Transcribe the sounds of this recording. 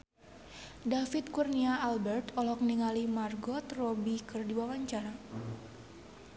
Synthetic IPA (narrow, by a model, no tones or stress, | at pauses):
dafit̪̚kurniaːlbɛrt̪ɔlɔkniŋalimarɡɔt̪robikɨrdiwawaɲt͡ʃaɾa